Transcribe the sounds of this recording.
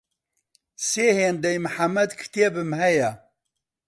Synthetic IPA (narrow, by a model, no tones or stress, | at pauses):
seːheːnd̪ɛjmɨħamːɐd̪kʰɨ̥t̪eːbɨmhɛjɛ